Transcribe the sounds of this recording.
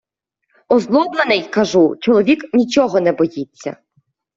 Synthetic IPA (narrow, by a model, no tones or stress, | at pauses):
ɔzlˠɔblˠenɪjkɐʒut͡ʃɔlˠɔʋʲiknʲit͡ʃɔɦɔnɛbɔjit͡sʲːɐ̰